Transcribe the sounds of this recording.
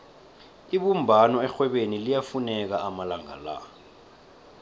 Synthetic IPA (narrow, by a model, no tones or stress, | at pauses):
iɓumbʱanɔɛxwɛɓenilijafunɛk̬aʔamalaŋa̰la̰